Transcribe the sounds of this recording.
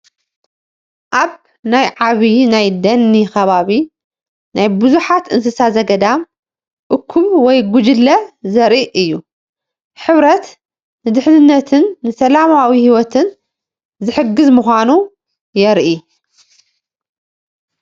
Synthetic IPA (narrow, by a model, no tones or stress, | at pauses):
ʔaβ | najʕaβinajd̪ɐnːixɐβaβi | najbɨzuħat̪ɨnsɨsazɐɡɐd̪am | ʔɨkʰːumwɔjɡud͡ʒɪlːɐzɐɾʔiʔɨjːu | ħɨβɾɐt̪ | nɨd̪ɨħnɨnːɐt̪ʰɨnːɨsɐlamawihiwɔt̪ʰɨn | zɨħɨɡːɨzmuxʷanu | jɛɾʔi